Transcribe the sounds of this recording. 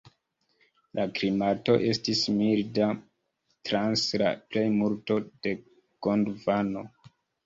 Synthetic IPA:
lʔakɾimato̞ʔe̞stismilda | tɾansla̰ple̞jmulto̞d̥e̞ | ɡ̥ondvano̞

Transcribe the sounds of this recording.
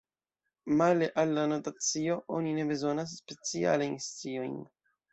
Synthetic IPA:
maleʔalːano̞tat͡sio̞ʔo̞nine̞be̞zo̞nas̬ːpe̞t͡sia̰lajnst͡sio̞jn

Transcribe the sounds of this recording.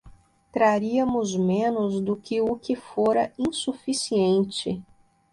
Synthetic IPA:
t̪ɾaɾiɐmʊzmẽnʊzd̪ʊkɪʊkɪfoɾɐĩsufisiẽnt͡ʃɪ̰

